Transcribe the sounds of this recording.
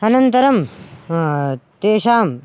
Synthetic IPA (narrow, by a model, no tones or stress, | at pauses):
ɐnɐnt̪ɐɾɐm | t̪eːʃaːm